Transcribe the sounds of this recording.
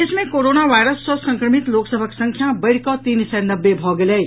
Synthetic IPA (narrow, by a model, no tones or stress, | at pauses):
ɪsmẽkoɾoːnaʋaːjɾəsːɔsɐ̃ŋkɾəmit̪loːksəbʱəksə̃ŋkʰjabɐɽkɔt̪iːnsɛnɐbːebʱɔɡeleː